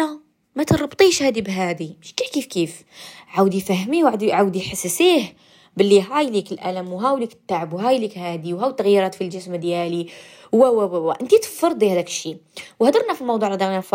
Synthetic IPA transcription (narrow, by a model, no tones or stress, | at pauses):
æ | mæt̪ɾˤɑbt̪ˤiʃhæd̪ibɦæd̪imʃkiħkifkif | ʕawd̪ifæɦmiwʕad̪iʕawd̪iħasːəsih | bəlːiɦajlikəlʔæ̰ləmwɦæwlikə̥t̪ːaʕəbwɦæjlikhæd̪iwɦæwt̪ːəɣjiɾˤɑt̪filʒəsməd̪jæli | wæwæwæwæʔənt̪it̪fɑɾˤd̪ˤihæd̪ækə̥ʃːiwhd̪ɑɾˤnæfilmɑwd̪ˤuʕlhd̪ɑɾˤnæf